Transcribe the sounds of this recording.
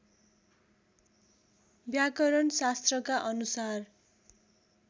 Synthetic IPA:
bjakʌɾʌnsast̪rʌkaʔʌnusar

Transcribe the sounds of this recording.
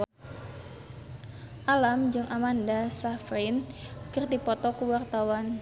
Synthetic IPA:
ʔalamd͡ʒɨŋʔamandasafɾɪnkərdipɔt̪ɔkuwart̪awan

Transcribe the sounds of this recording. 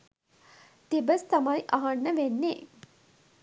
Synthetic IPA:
t̪ibəst̪ɐmajʔaɦanːəʋenːeː

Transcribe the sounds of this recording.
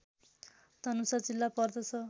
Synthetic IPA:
t̪ʌnusat͡silːapʌrd̪ʌt͡sʰʌ

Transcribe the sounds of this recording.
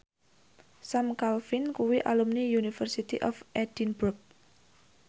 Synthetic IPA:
samkalfinkuwiʔa̰lumniunifərsit̪iʔɔfʔɛd̥inbɾʊk̚

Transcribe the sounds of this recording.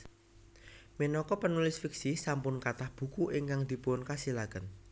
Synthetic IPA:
minɔkɔpənulɪsfiksisampʊnkat̪ahb̥ṳkuʔiŋkaŋd̪̥i̤puʊnkasilakən

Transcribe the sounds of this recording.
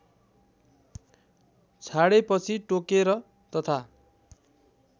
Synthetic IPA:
t͡sʰaɽepʌt͡sʰiʈokeɾʌ | t̪ʌt̪ʰa

